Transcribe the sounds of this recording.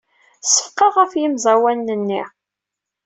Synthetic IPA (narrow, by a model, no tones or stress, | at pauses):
sə̥fqːɑʁæfjimzˤæwænːənːḭ